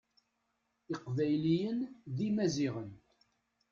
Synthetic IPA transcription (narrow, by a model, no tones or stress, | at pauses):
ɪqvæjlijənðimæziʁən